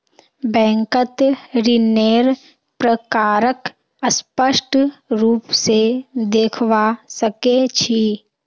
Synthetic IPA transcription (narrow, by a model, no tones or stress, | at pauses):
bɛ̃ːŋkət̪ɾɪneːɾ | pɾəkaːɾək | əspəʃʈʰɾuːpsed̪eːkʰʋasəket͡ʃʰi